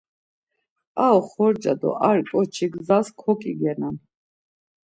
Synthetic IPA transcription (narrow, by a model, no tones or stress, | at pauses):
aɔχɔɾd͡ʒʼad̪ɔ̰ʔaɾikʼɔt͡ʃʰiɡzaskʰɔkʼiɡɛnan